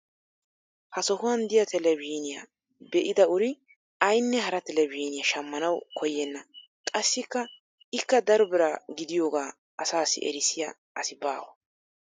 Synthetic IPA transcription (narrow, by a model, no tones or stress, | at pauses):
hɐsɔhʊwɐnd̪ɪjɐt̪ʰɛlɛbiːnɪjɐ̰ | bɛʔɪd̪ɐʊɾɪ | ɐjnːɛɦɐɾɐt̪ɛlɛbiːnɪjɐʃɐmːɐnɐwkʰɔjːɛnːɐ | kʼɐsːɪkːɐ | ɪkːɐd̪ɐɾɔbɪɾaɡɪd̪ɪjoːɡaː | ʔɐsaːsːɪ̰ʔɛ̰ɾɪsɪjɐ | ʔɐsɪbaːwɐ